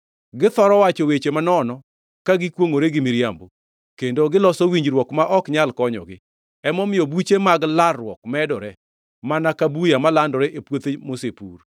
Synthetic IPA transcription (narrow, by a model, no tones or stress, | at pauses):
ɡɪt̪ɔɾɔwat͡ʃɔwet͡ʃemanɔnɔ | kaɡɪkwoŋoɾeɡɪmiɾjambo | kendoɡɪlɔsɔwiɲd͡ʒɾwɔkmaʔɔkɲalkɔɲɔ̰ɡɪ | ɛmɔmɪjɔbut͡ʃemaɡlarːwɔkmɛdɔɾɛ | manakabujamalandɔɾeʔepwot̪emosepur